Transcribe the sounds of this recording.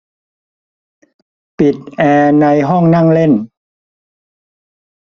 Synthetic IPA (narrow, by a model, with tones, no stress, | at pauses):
pi˨˩t̪̚ʔɛː˧na˧jɦɔ˥˩ŋna˥˩ŋle˥˩n